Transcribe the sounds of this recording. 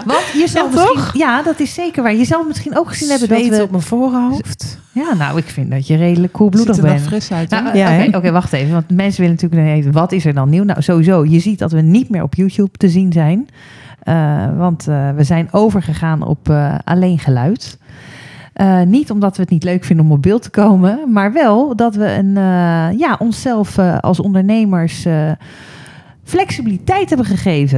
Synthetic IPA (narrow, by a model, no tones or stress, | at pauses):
ʋɑntjəzɛlˠmijadɑtɪsːejkəɹʋaːɹjəzɛlˠfməsχinowkχəz̥inɛbədɔʋɔpmənvoːroft | jaːno̰wɪkfɪndɔtjərejdələkʰːulˠbludəχbɛnfrɪsnaokeʔokejʋɑχtejvəʋɑntmɛnsəʋɪlənatyːlək̚nɛejvəʋɑtɪsɛɹdɑnːiwna̰wzoʋizowjəzit̚dɑtʋənitmɪːɹɔ̰pjuːtjuptəzinzɛjn | əʋɑntʋəzɛjnowvəɹχəχaːnɔ̰pʔa̰lejnχəlœɥt | ənitɔmdɑtʋəətnitløɥkfɪndəɔmɔb̚bɪlˠtə̥kowməmaːɹʋɛlˠdɑtʋəə̰njaːʔɔnsɛlˠfɑ̰lˠsɔ̰ndəɹnejməɹs | flɛksibilitɛjtɦɛbəχəχejvə